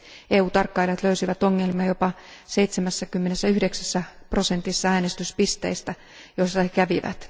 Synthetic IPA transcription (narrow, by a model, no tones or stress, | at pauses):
eːuːt̪ɑrkːɑilɑt̪løysiʋæt̪oŋːelmiɑjopɑ | seijt̪semæsːækymːenesːæyhdeksæsːæpro̞sent̪isːɑæːnest̪yspist̪ḛist̪æ | jost̪ɑhekæʋiʋæ̰t̪